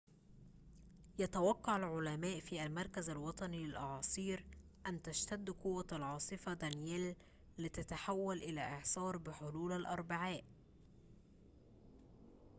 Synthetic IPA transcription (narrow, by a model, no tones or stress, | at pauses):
jɑt̪awɑqːɑʕalʕʊlæmæːʔfiːʔælmɑɾˤkæzalwɑt̪ˤɑnilɪlʔɑʕɑːsˤiːɾ | ʔænːt̪æʃt̪æd̪ːkʊwːalʕɑːsˤɨfɑd̪ænjæːlː | ɪt̪æt̪aħawːælʔɪlæːʔɪʕsˤɑːɾˤbɪħoluːlalʔɑɾˤbaʕaːʔ